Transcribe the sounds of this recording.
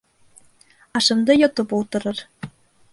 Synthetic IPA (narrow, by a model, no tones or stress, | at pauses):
ɑʃɤ̆md̪ɤjot̪ɤ̆pulˠt̪ɤ̆ɾɤ̆r